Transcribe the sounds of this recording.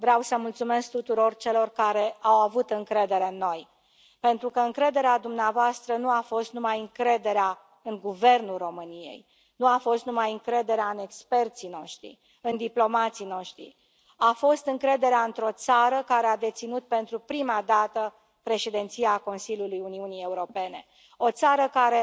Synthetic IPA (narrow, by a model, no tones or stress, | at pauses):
vɾawsəmult̪sume̞sk̚t̪ut̪uɾo̞rt͡ʃe̞lo̞rkaɾe̞awavut̪ɨŋkɾe̞d̪e̞ɾe̞ɨnːo̞j | pe̞nt̪ɾukəɨŋkɾe̞d̪e̞ɾead̪umneavoast̪ɾənuafo̞st̪numajɨŋkɾe̞d̪e̞ɾea | ɨŋɡuve̞rnulro̞mɨnie̞̰j | nuafo̞st̪numajɨŋkɾe̞d̪e̞ɾeaɨne̞kspe̞rt̪sino̞ʃt̪ɾḭ | ɨnd̪iplo̞mat̪sino̞ʃt̪ɾḭ | afo̞st̪ɨŋkɾe̞d̪e̞ɾeaɨnt̪ɾo̞t̪saɾəkaɾead̪e̞t̪sinut̪̚pe̞nt̪ɾupɾimad̪at̪ə | pɾe̞ʃed̪ent̪siako̞nsilʲjulujuniunije̞uɾo̞pe̞ne̞ | o̞t̪saɾəkaɾe̞